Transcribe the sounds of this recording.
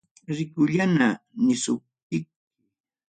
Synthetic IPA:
ɾɪkʊʎana | nɪsʊp̚t̪ɪk̚

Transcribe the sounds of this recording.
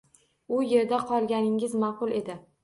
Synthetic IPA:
ʊje̞ɾd̪aqʰɒlˠɡʲanɪŋɪzmɑqʊlˠe̞d̪ɪ

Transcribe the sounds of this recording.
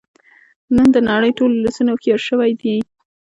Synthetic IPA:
nənd̪ənɑɽəjʈolulasunaxeɾʃəwajd̪i

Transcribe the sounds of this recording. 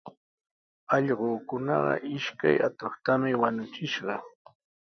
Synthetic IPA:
ɑʎɢoːkʊnɑ̰ɢɑ̰ʔɪʃka̰jat̪oχt̪amɪwanʊt͡ʃɪʃɢɑ

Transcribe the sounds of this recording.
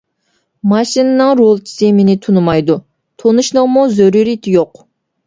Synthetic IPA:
mɑʃinɨnɨŋɾolˠt͡ʃʰi̥sɪmenɪt̪ʰunumɑjd̪u | t̪ʰonuʃnɨʁmuzøɾuɾit̪ʰjoq

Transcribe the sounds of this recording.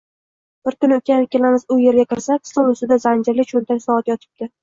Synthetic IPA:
b̥ɪɾkʊnokʲanɪkʲʰelamɪzʊje̞ɾɡʲakʲɪɾsakʲʰsolʊst̪ɪd̪azand͡ʒɪɾlɪt͡ʃʰont̪ʰakʲsɒat̪jɒt̪ʰɪ̥p̚d̪ɪ

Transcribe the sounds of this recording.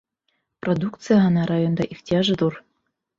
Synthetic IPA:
prod̪ukt̪t͡sɨjaɑnɑɾajond̪ɑʔiftʲiɑʒɤ̆d̪ur

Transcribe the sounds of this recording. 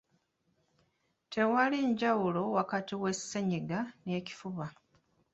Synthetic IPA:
tʰe̞waliɲɟawulo̞wakatiwe̞seɲiɡane̞ːci̥fuβa

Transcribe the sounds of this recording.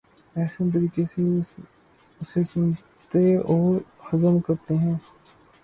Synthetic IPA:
ɛːksənt̪̬ɐɾiːkese | ʊsesʊn | t̪eɔːɾhɐzəmkɐɾt̪eɦɛ̃ː

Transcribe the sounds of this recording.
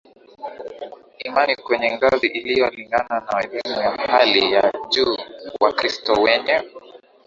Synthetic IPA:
imanikwɛɲɛŋɡaziʔilijɔliŋɡananawɛlimujahalijaʄuːwakɾistɔwɛɲɛ

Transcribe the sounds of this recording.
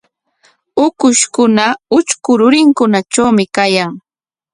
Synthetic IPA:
ʊkʊʃkʊnaʊt͡ʃkʊɾʊɾɪŋkʊnat͡ʃawmɪkajaŋ

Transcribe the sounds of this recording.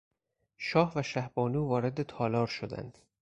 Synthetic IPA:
ʃɒːhvæʃæhbɒːnuːvɒːɾe̞d̪et̪ʰɒːlɒːɾʃod̪æ̰nd̪̥

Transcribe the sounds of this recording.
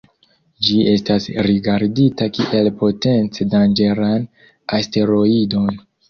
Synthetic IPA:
d͡ʒie̞stasɾiɡaɾditakiʔe̞lpo̞te̞nt͡sedand͡ʒe̞ɾan | aste̞ɾo̞ido̞n

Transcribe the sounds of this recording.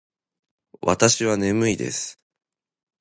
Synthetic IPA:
βa̰t̪aɕiβane̞mɯ̟id̪e̞̰sɨ̥

